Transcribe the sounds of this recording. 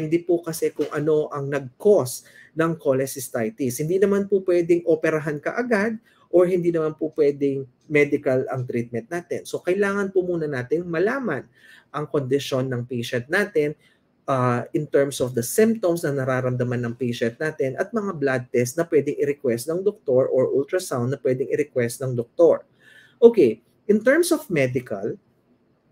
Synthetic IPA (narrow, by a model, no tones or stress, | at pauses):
ɪnd̪ipokɐsɛkʊŋʔɐno̞ʔɐŋnɐɡ̚kosnɐŋkolɛsɪst̪ajt̪ishɪnd̪iːnɐmanpopwɛd̪ɪŋʔopɛɾɐɦankɐʔɐɡad̪̚ | ʔoɹhɪnd̪iːnɐmanpopwɛd̪ɪŋ | mɛd̪ɪkɐlɐŋt̪ɾit̪̚mɛ̃nt̪̚naːt̪ɛnso̞kɐjlaːŋɐnpʊmuːnɐnaːt̪ɪŋmɐlaːmɐn | ʔɐŋko̞nd̪ɪʃo̞nːɐŋpɛjʃɛnt̪̚naːt̪ɛn | ʔaʔɪnt̪ɛɹmsofd̪ɐsɪ̃mp̚t̪omsnɐnɐɾaːɾɐmd̪ɐmanːɐŋpɛjʃɛnt̪̚naːt̪ɛnɐt̪̚mɐŋablad̪̚t̪ɛst̪nɐpwɛd̪ɪŋɪɾɪkwɛst̪nɐŋd̪ok̚t̪o̞ɹʔoɹʔult̪ɾɐsawnd̪̚nɐpwɛd̪ɪŋɪɾɪkwɛst̪̚nɐŋd̪ok̚t̪oɹ | ʔoːkej | ʔɪnt̪ɛɹmsofmɛd̪ɪkɐ̰l